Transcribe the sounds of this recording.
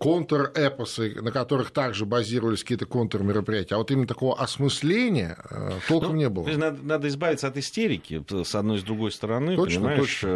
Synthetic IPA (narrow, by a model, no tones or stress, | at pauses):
kont̪ərɛpəsɨnəkɐt̪o̞ɾɨxt̪aɡʐɨbɐzʲiɾəvəlʲɪsʲkɐkʲiːt̪əko̞nt̪ərmʲɪɾəpɾʲɪjætʲɪəːɐvot̪imʲɪnət̪ɐko̞vəʔɐsmɨsʲlʲenʲɪjə̰ə̰t̪o̞lˠkəmnʲe̞bɨlˠəosʲnad̪ənad̪əɪzbavʲɪt̪səɐt̪ɪsʲtʲeɾʲɪkʲɪ̰sɐd̪̚no̞jɪzd̪ɾʊɡo̞jst̪əɾɐnɨoət͡ɕnʲɪmao